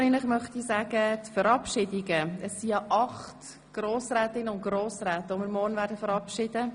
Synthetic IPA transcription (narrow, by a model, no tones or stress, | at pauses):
iːnlɪχmœχtisaːɡətfəɾɑpʃɪdɪɡəəsːijɑʔɑχt | ɡ̥roːsɾɛːtɪnːəʊntɡ̥ɾoːsɾɛːt̪əʊmɪɾmɔːɾnvæːɾdəfəɾɑpʃɪd̥ə